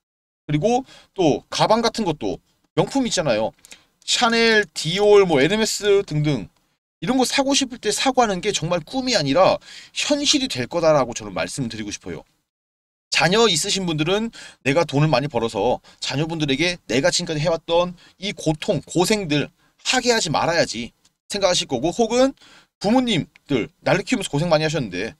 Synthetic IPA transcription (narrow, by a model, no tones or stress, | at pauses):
kɯɾiɡo | t͈okabaŋɡatʰɯnɡʌt̚t͈o̰ | mjʌŋpʰumiːt̚t͡ɕ͈anajo | ɕʰaneɭtioɭmʌe̞neme̞s͈ɯtɯŋdɯŋ | iɾʌnɡʌt̚sʰaɡoɕʰipʰɯɭt͈e̞sʰaɡoɦanɯnɡe̞t͡ɕʌŋmaɭk͈umiaɲiɾaçjʌnɕʰiɾitwe̞ɭk͈ʌdaɾaɡot͡ɕʌnɯnma̰ɭs͈ɯmɯɭtɯɾiɡoɕʰi̥pʰʌ̰jo̰ | t͡ɕaɲʌis͈ɯɕ̬ʰinbundɯɾɯnːe̞ɡatonɯɭmaɲipʌɾʌsʰʌ | t͡ɕaɲʌbundɯɾe̞ɡe̞ne̞ɡat͡ɕʰink͈ad͡ʑiɦe̞wat̚t͈ʌn | ikotʰoŋkosʰe̞ŋdɯɭ | haɡe̞ɦad͡ʑima̰ɾajad͡ʑi | sʰe̞ŋɡakʰaɕ̬ʰiɭk͈ʌɡohoɡɯn | kumuɲim | d̥ɯɭnaɭːɯkʰiomsʰkos̬ʰe̞ŋmaɲiɦaɕ̬ʌnːɯnde̞